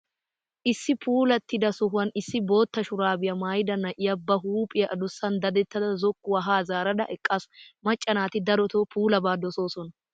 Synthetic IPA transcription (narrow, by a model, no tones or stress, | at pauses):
ʔɪsːɪpʰuːlɐt̪ːɪd̪ɐsʊɦɐnɪsːɪbo̞ːt̪ːɐʃʊɾaːbɪjɐmaːjɪd̪ɐnːɐʔɪjɐbːɐɦuːpʼɪjɐʔɐd̪ʊsːɐnd̪ɐd̪ɛt̪ːɐd̪ɐzɔkːʊwɐɦaːzaːɾɐd̪ɐ̰ʔɛkʼːɐsmɐt͡ʃʼːɐnaːt̪ɪd̪ɐɾɔt̪oːpʰuːlɐbaːd̪ɔso̞ːsɔnɐ